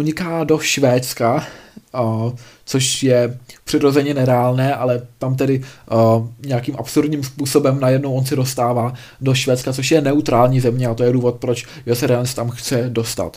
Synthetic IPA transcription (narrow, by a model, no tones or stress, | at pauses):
ʔuɲɪkaːdo̞ʃvɛːt̪t͡ska | t͡soʃjɛpr̥ɪɾo̞zɛɲɛnɛɾɛaːlnɛːʔalɛt̪amt̪ɛdɪ | ɲɛakiːmʔapsuɾdɲiːmspuːso̞bɛmnajɛdnowʔonsɪdo̞st̪aːvaː | do̞ʃvɛːt̪t͡skat͡so̞ʃjɛnɛut̪ɾaːlɲiːzɛmɲɛat̪ojɛduːvo̞t̪̚pɾo̞t͡ʃ | josɛɾɛast̪amxt͡sɛdo̞st̪a̰t̪